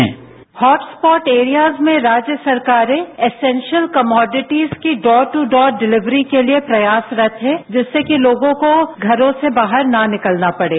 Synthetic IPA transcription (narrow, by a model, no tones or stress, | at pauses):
ɛ̰̃ː | hɔːʈspɔːʈeːɾijaːzmẽɾaːd͡ʒjəsɐɾkaːɾẽɪsɛ̃ːnʃəlkɐmɔːɖɪʈiːzkiɖɔːɾʈuɖɔːɾɖɪlɪʋɾikeliepɾɐjaːsɾɐt̪ʰɦɛ̃d͡ʒɛːsːekiloːɡõkoɡʱɐɾõsebaːɦəɾnanɪkəlnapɐɽeː